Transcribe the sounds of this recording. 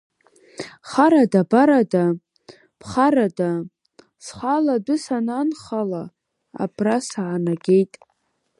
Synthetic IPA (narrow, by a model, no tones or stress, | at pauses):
χaɾadabaɾada | pʰχaɾada | sχʷaladʊsananχala | a̰bʰrasaʕanaɡʲe̞jtʼ